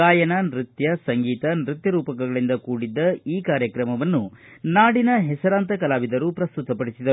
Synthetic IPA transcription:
kaːjɐnɐnɾit̪jɐsɐŋɡiːt̪ɐnɾit̪jɐɾuːpɐkɐɡɐɭind̪ɐkuːɽid̪ːɐiːkaːɾjɐkɾɐmɐʋɐnːunaːɽinɐɦɛsɐɾaːnt̪ɐkɐlaːʋid̪ɐɾupɾɐst̪ut̪ɐpɐɽisid̪ɐɾu

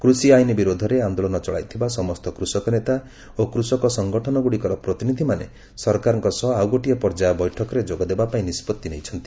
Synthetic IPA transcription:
kɾusiajnibiɾod̪ʱɔɾeand̪olɔnɔt͡ʃɔɭa̰jt̪ʰibasɔmɔst̪ɔkɾusɔkɔnet̪a | okɾusɔkɔsɔŋɡɔʈʰɔnɔɡuɽikɔɾɔpɾɔt̪inid̪ʱimanḛ | sɔɾkaɾɔŋkɔsɔɦawɡɔʈijɔpɔɾd͡ʒabɔjʈʰɔkɔɾed͡ʒoɡɔd̪ebapaĩnispɔt̪ːinejt͡ʃʰɔnt̪i̥

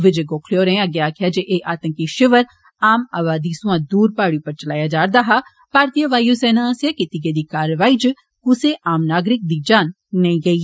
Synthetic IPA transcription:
ʋɪd͡ʒeɡoːkʰlijoɾɛ̃aɡjaːkʰjad͡ʒeʔeːʔaːt̪ə̃ŋkiʃɪʋəɾ | aːma̰ːʋaːd̪isʊãːd̪uːɾpaːɽjupɐɾt͡ʃɐlaːjad͡ʒaːɾd̪aːɦa | paːɾt̪ijəʋaːjosɛːnãasjaːkit̪ɪɡed̪iːkaːɾʋaːiːd͡ʒ | kʊseʔaːmnaːɡɾɪk̚d̪iːd͡ʒaːnː | ɐĩɡɐiː

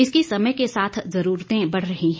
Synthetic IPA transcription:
ɪskisɐməjkesaːt̪ʰzɐɾuːɾt̪ẽbɐɽ̤ɾɐɦiɦ

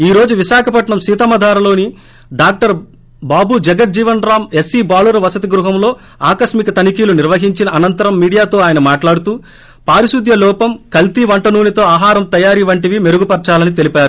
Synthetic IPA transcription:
iːɾo̞ːd͡ʒuʋiʃaːkʰɐpɐʈɳɐmsiːt̪ɐmɐd̪ʱaːɾɐlo̞ːni | ɖaːk̚ʈɐɾ | baːbud͡ʒɐɡɐt̪̚d͡ʒiːʋɐnɾaːmesiːbaːluɾɐʋɐsɐt̪iɡɾuɦɐmlo̞ː | aːkɐʃmikɐt̪ɐnikiːluniɾʋɐɦiɲt͡ʃinɐʔːnɐnt̪ɐɾɐmːiːɽijaːt̪o̞ːaːjɐnɐmaːʈlaːɽut̪uː | paːɾiʃud̪ʱjɐlɔːpɐmkɐlt̪iʋɐɳʈɐnuːnit̪o̞ːaːɦaːɾɐmt̪ɐjaːɾiʋɐɳʈiʋime̞ɾuɡupɐɾt͡ʃaːlɐnit̪elipaːɾu

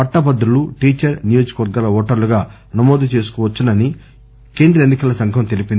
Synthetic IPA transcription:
ɐʈːɐbɐd̪ɾuluʈiːt͡ʃɐɾnijo̞ːd͡ʒɐ̥kɐʋɐɾɡaːlɐɔːʈɐɾluɡaː | nɐmoːd̪ut͡ʃe̞ːs̬u̥kɔːʋɐt͡ʃːunɐni | ke̞ːnd̪ɾɐenːikɐlɐsɐŋkʰɐmt̪e̞lipind̪i

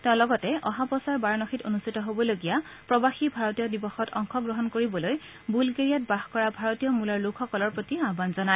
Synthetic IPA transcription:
tɛ̃ʊ̃lɔɡɔtɛɔɦapɔsaɹbaɹnɔxitonustitɔɦobɔloɡija | pɹɔbaxibʱaɹɔtijɔdibɔxɔtʰɔ̰ŋxʰɔɡɹɔɦɔnkoɹibɔloj | bulkeɹijat̚baxkɔɹabʱaɹotijɔmulɔɹlukʰxɔkɔlɔɹpɹotiabanzɔnaɛ

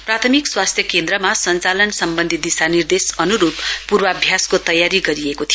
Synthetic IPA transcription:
prat̪ʰʌmikswast̪ʰjʌkend̪ɾʌmasʌnt͡salʌnsʌmbʌnd̪ʱid̪isanird̪esʌnuɾubpurwʌʌbʱjaskot̪ʌjaɾiɡʌɾiekot̪ʰij

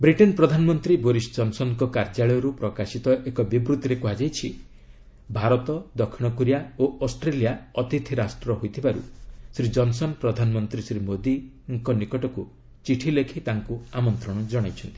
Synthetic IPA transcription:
bɾiʈenpɾɔd̪ʱanɔmɔnt̪ɾiboɾisd͡ʒɔnsɔnkɔkaɾd͡ʒaɭɔjɔɾupɾɔkasit̪ɔʔekɔbibɾut̪iɾekuɦad͡ʒajt͡ʃʰi | bʱaɾɔt̪ɔd̪ɔkʰːiɽ̃ɔkuɾijaoɔsʈɾelijaɔt̪it̪ʰiɾasʈɾɔɦojt̪ʰibaɾṵsɾid͡ʒɔnsɔnpɾɔd̪ʱanɔmɔnt̪ɾisɾimod̪i | ŋkɔnikɔʈɔku | t͡ʃiʈʰilekʰit̪aŋkuamɔnt̪ɾɔɽ̃ɔd͡ʒɔɽ̃ajt͡ʃʰɔnt̪i̥

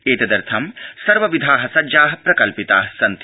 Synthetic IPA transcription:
eːt̪ɐd̪ɐɾt̪ʰɐmsɐɾʋɐʋid̪ʱaːɦɐsɐd͡ʒaːɦɐpɾɐkɐlpit̪aːɐsɐnt̪

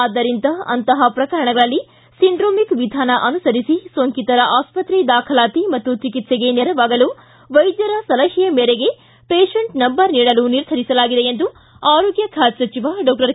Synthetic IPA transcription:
aːd̪ːɐɾint̪ɐɐ̰nt̪ɐɦɐpɾɐkɐɾɐɳɐɡɐɭɐlːi | siɳɖɾoːmikʋid̪ʱaːnɐʔɐnusɐɾisisoːŋkit̪ɐɾɐʔaːspɐt̪ɾid̪aːkʰɐlaːt̪imɐt̪ːut͡ʃikit̪seɡe̞neɾɐʋaːɡɐlu | ʋɐjd̪jɐɾɐsɐlɐɦɛjɐmeːɾeɡe̞ | peːʂeɳʈnɐmbɐɾniːɽɐluniɾd̪ʱɐɾisɐlaːɡid̪eend̪u | aːɾoːɡjɐkʰaːd͡ʒsɐt͡ʃiʋaɖɔːk̚ʈɐɾ

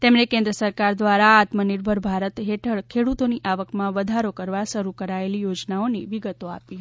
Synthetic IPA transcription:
t̪emnekẽnd̪ɾəsəɾkaɾd̪ʋaɾaːt̪məniɾbʱəɾbʱaɾət̪ɦeʈʰəɭkʰeɽut̪oniʔaʋəkmãʋəd̪ʱaɾokəɾʋaʃəɾukəɾaelijod͡ʒnaoniʋiɡət̪oa̰piɦ

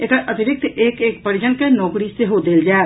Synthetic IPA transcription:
eːk̪əʔɐt̪ɪɾɪk̚t̪eːkeːkpɐɾɪd͡ʒənkenɔːkɾiseɦod̪eːld͡ʒaːe

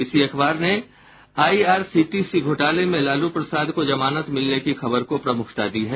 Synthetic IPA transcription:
ɪsiɐkʰbaːɾne | aːiaːɾsiːʈisiɡʱoːʈaːlemẽlaːlupɾɐsaːd̪kod͡ʒɐmaːnət̪mɪlnekixɐbəɾkopɾɐmʊkʰt̪ad̪iɦɛː

